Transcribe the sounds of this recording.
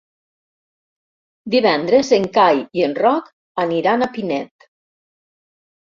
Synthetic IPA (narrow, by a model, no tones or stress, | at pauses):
d̪iβɛnd̪ɾezeŋkajienrɔk | aniɾanapinɛt̪